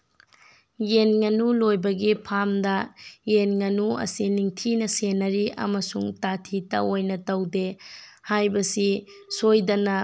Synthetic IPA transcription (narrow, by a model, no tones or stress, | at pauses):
jenŋɐnulojbɐɡipʰamdɐjenŋɐnuɐ̰siniŋtʰinɐsenːɐɾiʔɐ̰mɐsuŋtatʰitɐ̰ojnɐtɐwdehajbɐsi | sojdɐnɐ